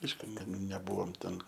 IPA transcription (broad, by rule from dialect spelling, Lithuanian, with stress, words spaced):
ˈɐɪʃkʊ nʲɛˈbʊʋoːm tʲɛn